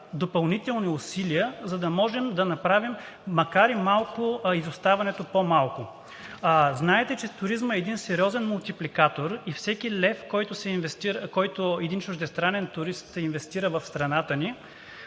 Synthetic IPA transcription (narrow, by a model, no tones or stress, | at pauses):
d̪opɐlˠnit̪ɛlˠniʊsiliəzɐd̪ɐmɔʒɛmd̪ɐnɐpɾavimː | ɐkaɾimalˠkʊizʊst̪avɐnɛt̪opomalˠkʊ | znaɛt̪ɛt͡ʃɛt̪ʊɾizməɛːd̪insɛɾʲiɔzɛnmʊlˠt̪iplikat̪oɾifsɛkilɛfkɔjt̪ʊsɛnvɛst̪iɾkɔjt̪ʊɛd̪int͡ʃʊʒd̪ɛst̪ɾanɛnt̪ʊɾist̪invɛst̪iɾəvɐfst̪ɾɐnat̪əni